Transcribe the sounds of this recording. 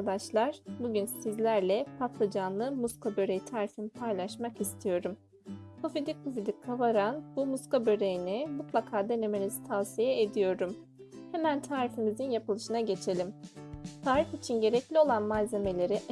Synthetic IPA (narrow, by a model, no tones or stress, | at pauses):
ad̪aʃlˠaɾ̥buɟynsizlʲæɾlʲɛpʰat̪ʰlˠad͡ʒanlˠɯmuskʰabøɾejt̪ʰaːɾifinipʰajlˠaʃmakist̪ʰijo̞ɾum | kʰofid̪ikʰːuvid̪ʲikʰːavaɾanbumuskabøɾejinimut̪lˠakʰaːd̪e̞ne̞menizi̥t̪ʰavsijɛed̪ijo̞ɾum | hemænt̪ʰaːɾifimizinjapɯlˠɯʃɯnaɟe̞t͡ʃʰe̞lʲimt̪ʰaːɾifit͡ʃʰinɟe̞ɾɛclʲio̞lˠanmalze̞me̞lʲe̞ɾiʔ